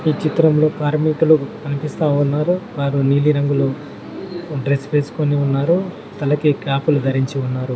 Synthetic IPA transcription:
iːt͡ʃit̪ɾɐmlo̞ːkaːɾmiːʈulukɐnipist̪aːunːaːɾuʋaːɾuniːliɾɐŋɡuloː | ɖɾe̞sʋe̞ːsu̥ko̞niunːaːɾu | t̪ɐlɐkikaːpulud̪ʱɐɾiɲt͡ʃiunːaːɾu

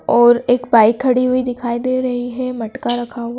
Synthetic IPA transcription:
ɔːɾeːkbaːɪkʰːɐɽiɦuid̪ɪkʰaːid̪eːɾɐɦiɦɛmɐʈkaɾɐkʰaɦua

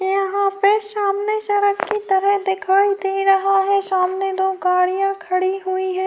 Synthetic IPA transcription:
jɐɦãpeʃaːmneʃɐɾəkkit̪ɐɾəɦd̪ɪkʰaːid̪eːɾɐɦaɦɛʃaːmned̪oːɡaːɽijãkʰɐɽiɦuiɦɛ̃ː

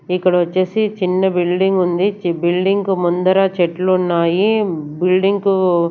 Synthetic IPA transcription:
ikːɐɽɐʋɐt͡ʃːeːsit͡ʃinːɐbilɖiŋɡund̪it͡ʃbilɖiŋkumund̪ɐɾaːt͡ʃeʈlunːaːjibilɖiŋɡku

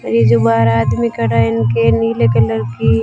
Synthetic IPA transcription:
ɐɾed͡ʒobaːɾaːd̪mikɐɽaɪnkeniːlekɐləɾki

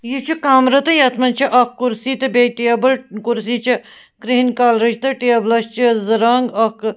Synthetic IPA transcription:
jut͡ʃʰukaːmɾɐt̪ɐjɐt̪ʰmɐnt͡ʃʰiʔɐkːuɾsiːt̪ɐbeʈebɐlkuɾsiːt͡ʃʰɐ | kɾiɦinkaːlɾɐt͡ʃt̪ɐʈeɐblɐst͡ʃʰɐzɐɾaːŋɡɐk

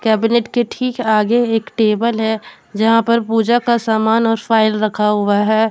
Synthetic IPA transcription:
kɛːbɪneʈkeʈʰiːkaːɡeeːkʈeːbəlɦɛ | d͡ʒɐɦãpɐɾpuːd͡ʒakasaːmaːnɔːɾfaːɪlɾɐkʰaɦʊaɦɛː

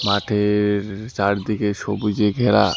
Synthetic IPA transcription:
maʈʰeɾt͡ɕaɾd̪ikeʃobud͡ʑeɡʱeɾa̰

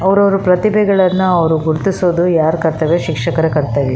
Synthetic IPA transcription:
ɐʋɐɾɐʋɐɾupɾɐt̪ibʱɛɡɐɭɐnːuɐʋɐɾuɡuɾt̪isoːd̪ujaːɾkɐɾt̪ɐʋeʃikʂɐkɐɾɐkɐɾt̪ɐːʋi

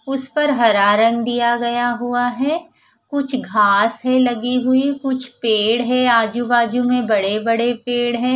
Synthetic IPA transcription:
ʊspɐɾɦɐɾaːɾə̃nɡ̚d̪ijaɡɐjaɦuaɦɛː | kʊt͡ʃʰɡʱaːsɦɛlɐɡiɦʊikʊt͡ʃʰpeːɽɦɛaːd͡ʒubaːd͡ʒumẽbɐɽebɐɽepeːɽɦɛ̃ː

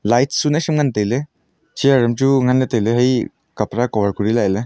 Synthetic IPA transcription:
lajtʰsunasimŋantajle | t͡ʃiaɾɯmtuŋanːetajleɦaj | kapɾakɔbʱaɾkʰuɾilaele

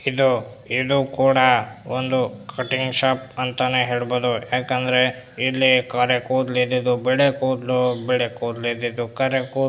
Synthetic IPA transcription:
id̪u | id̪ukuːɽɐond̪ukʰɐʈiŋɡʃaːp̚ɐnt̪ɐneɦeːɭboːd̪ujaːkɐnd̪ɐɾe̞ | ilːikɐɾekuːd̪lid̪id̪ubɛɭekoːd̪lubɛɭekuːd̪lid̪id̪ukɐɾekuː

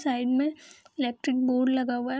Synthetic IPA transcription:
saːɪɖmẽɪleːk̚ʈɾɪk̚boːɾɖlɐɡawaɦ

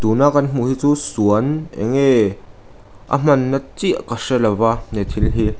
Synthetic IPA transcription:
t̪uːnakːɐnm̥uhiːt͡suːsuənɛ̰ŋɛ | ʔɐ̰m̥ɐnːɐt͡siʔkɐʂɛlɐvanet̪ʰilɦiː

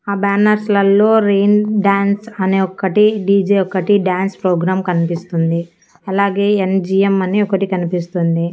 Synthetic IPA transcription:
aːbaːnɐɾslɐlːoːɾeːnɖaːnsɐneːɔkːɐʈiɖiːd͡ʒeːɔkːɐʈiɖjaːnspɾoːɡɾaːmkɐnipist̪und̪i | ɐlaːɡe̞ːend͡ʒiːemɐniɔkɐʈikɐnipist̪und̪i

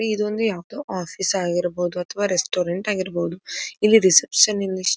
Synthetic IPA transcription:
eid̪ond̪ujaːʋɐd̪oːʔaːfʰisaːɡiɾɐbowud̪uɐt̪ʰɐʋaːɾesʈoːɾeɳʈaːɡiɾɐboud̪uilːiɾisepʂɐnilːi

